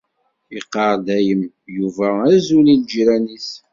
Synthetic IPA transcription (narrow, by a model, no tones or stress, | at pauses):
iqːɑɾˤd̪æjəm | juvææzulild͡ʒɾænis